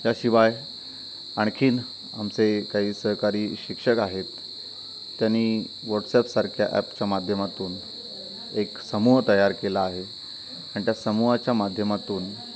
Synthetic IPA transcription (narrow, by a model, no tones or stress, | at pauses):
jaɕiʋaj | aɳkʰiːn | a̰mt͡sekaɦiːsəɦkaɾiːɕikʂəkaɦet̪ː | janːiː | ʋɔɾʈsɛpsaɾkʰja̰ʔɛ̰pt͡ɕjamad̪ʱjəmat̪uːn | eksəmuɦt̪əjaɾkelaːɦe | aɽ̃it̪jasəmuɦat͡ɕjamad̪ʱjəmat̪uːn